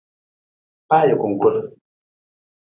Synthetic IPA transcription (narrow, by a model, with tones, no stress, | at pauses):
pa˦jə˨ku˨ŋ̩˨ku˦l